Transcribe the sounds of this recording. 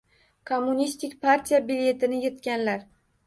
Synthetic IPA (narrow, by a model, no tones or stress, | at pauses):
kʰomːunist̪ɪkʲpʰaɾt̪ʰijabilje̞t̪ɪnɪjet̪kʲanlaɾ